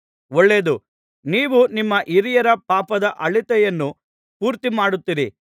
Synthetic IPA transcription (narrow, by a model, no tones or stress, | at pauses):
ɔɭːeːd̪u | niːʋunimːɐʔiɾijɐɾɐpaːpɐd̪ɐʔɐɭit̪ɛjɐnːu | puːɾt̪imaːɽut̪ːiɾḭ